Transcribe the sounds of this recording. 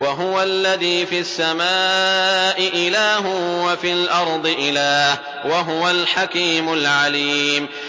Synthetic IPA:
waɦʊwalːaðiːfiasːamaːʔɪʔɪlaːɦʊwafiːlʔɑɾˤd̪ˤɨʔɪlaːh | waɦʊwalħakiːmʊlʕaliːm

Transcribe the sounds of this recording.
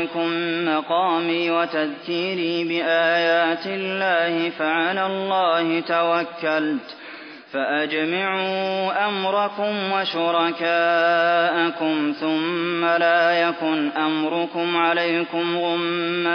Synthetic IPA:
kʊmːɑqɑːmiːwat̪aðkiːɾiːbɪʔaːjaːt̪ɪlːaːhɪfaʕalaːlˤːɑːhɪt̪awakːalt̪ | faʔad͡ʒmaʕuːʔamɾˤɑkʊmwaʃʊɾˤɑkaːʔakʊmθʊmːalaːjakʊnʔamɾˤʊkʊmʕalajkʊmɣʊmːa

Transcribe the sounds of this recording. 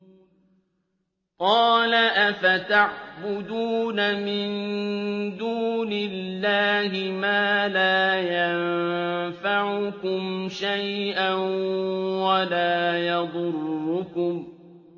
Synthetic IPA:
qɑːlaʔafat̪aʕbʊd̪uːnamɪn | d̪uːnɪlːaːɦɪmaːlaːjanfaʕʊkʊmʃajʔanwalaːjɑd̪ˤʊrːʊkʊm

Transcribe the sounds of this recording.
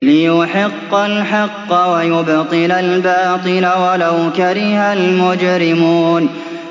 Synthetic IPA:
lɪjʊħɪqːalħɑqːɑwajʊbt̪ˤɨnalbɑːt̪ˤɨlawalawkaɾɪhalmʊd͡ʒɾɪmuːn

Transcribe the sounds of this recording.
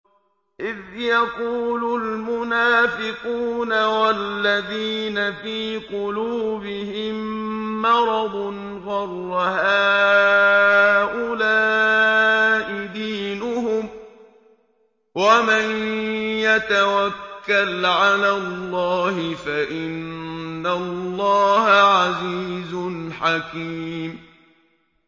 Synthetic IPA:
ʔɪðjaquːlʊlmʊnaːfɪquːnawalːaðiːnafiːqʊluːbɪhɪmː | ɑɾˤɑd̪ˤn | ɣɑrˤwaɦaː | ʔʊlaː | ʔɪd̪iːnʊhʊm | wamanjat̪awakːalʕalaːlːɑːhɪfaʔɪnːalːɑːhaʕaziːzʊnħakiːm

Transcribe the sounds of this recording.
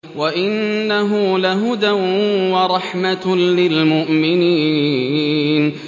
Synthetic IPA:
waʔɪnːaɦʊlaɦʊd̪awwɑɾˤɑħmatlɪlmʊʔmɪniː | n

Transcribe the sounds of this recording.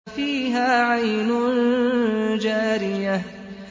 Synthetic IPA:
fiːɦaːʕajnʊn | d͡ʒaːɾɪja

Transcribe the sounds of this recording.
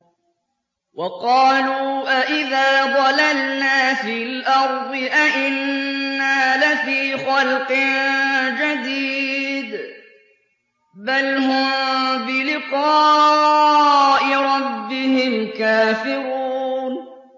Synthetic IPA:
wɑqɑːluːʔaʔɪðaːd̪ˤɑlalnaːfillʔɑɾˤd̪ˤɨʔaʔɪnːaːlɪfiːxɑlqɪnd͡ʒad̪iːd̪ | balhʊmbɪlɪqɑː | ʔɪɾˤɑbːɪhɪmkaːfɪɾuːn

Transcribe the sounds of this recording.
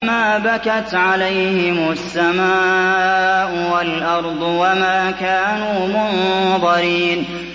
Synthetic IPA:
maːbakat̪ʕalajhɪmʊasːamaːʔʊwalʔɑɾˤd̪ˤwamaːkaːnuːmʊnðˤɑɾiːn

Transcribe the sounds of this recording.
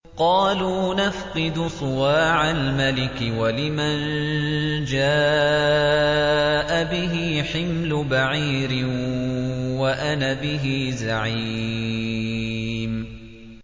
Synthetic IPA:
qɑːluːnafqɨd̪ʊsˤʊwaːʕalmalɪkɪwalɪman | d͡ʒaː | ʔabɪɦiħɪmlʊbaʕiːɾɪ | waʔanabɪɦiːzaʕi | m

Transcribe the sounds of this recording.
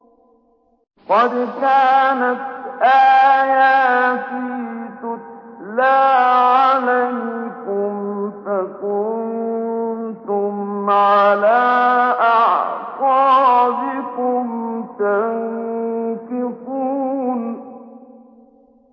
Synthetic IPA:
qɑd̪kaːnat̪̚ʔaːjaːt̪ɪt̪ʊlaːʕalajkʊmfakʊnn | t̪ʊmʕalaːʔaʕtˤɑːbɪkʊmt̪aŋ | kɪfuːn

